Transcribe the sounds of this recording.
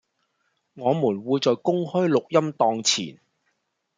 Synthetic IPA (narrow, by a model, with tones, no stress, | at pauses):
ŋɔː˨˧muː˨˩nwuː˨˧jt͡sɔː˨˩jkʊ˥ŋhɵ˥ɥlʊ˨k̚jɐ˥mt̪ɔː˧ŋt͡sʰḭː˨˩n